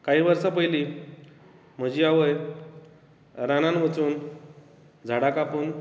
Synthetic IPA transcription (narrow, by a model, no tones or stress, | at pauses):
kaɦiːʋəɾsapəjliː | m̤əd͡ʑiːaʋəj | ɾananʋ̤ət͡suːn | d͡zʱaɽakapən